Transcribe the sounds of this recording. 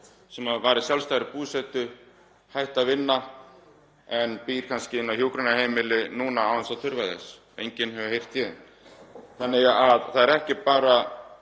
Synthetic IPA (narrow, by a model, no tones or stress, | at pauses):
sɛmaðvaːɾɪsjalst̪ajɾɪpuːsɛt̪ʏ | hajht̪avɪnːa | ɛnpiɾ̥kʰanscɪɪnːawhjowkɾɛnahejmɪlɪnuːnaaːvansawt̪ʰʏɾvajðɛ̰sɔḛjɲcɪnhɛvʏhejr̥t̪jɛːðɪn | θanːɪaaðθaðɛɾɛhcɪpaːɾa